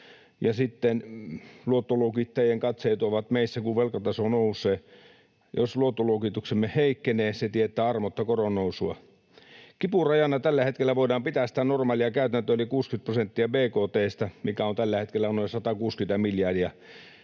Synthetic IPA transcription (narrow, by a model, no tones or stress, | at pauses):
jɑsit̪ːenluot̪ːoluokit̪ːɑjeŋkɑt̪seit̪uoʋɑt̪meisːækuʋʋelkɑt̪ɑsonousːeː | jo̰sluot̪ːoluokit̪uksemːeheikːeneːset̪iet̪ːæːɑrmot̪ːɑkoronːousuɑ̰ | kipurɑjɑnɑt̪ælːæhet̪̚kelːæʋoidɑːmpit̪æst̪ænormɑːliɑkæyt̪ænt̪øelikuːskyt̪̚prosent̪ːiɑbeːkoːt̪eːst̪ɑmikæont̪ælːæhet̪kelːænoˑisɑt̪ɑkuːskyt̪æmiljɑdiæ